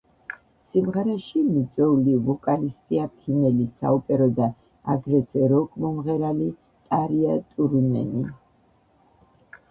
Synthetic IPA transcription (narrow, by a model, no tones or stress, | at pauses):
simʁɛɾɛʃimit̪sʼwɛulivɔkʼalist̪ʼiapʰinɛlisa̰upʼɛɾɔd̪a | a̰ɡɾɛzɛɾɔkʼmɔmʁɛɾali | t̪ʼaɾiat̪ʼuɾunɛ̰ni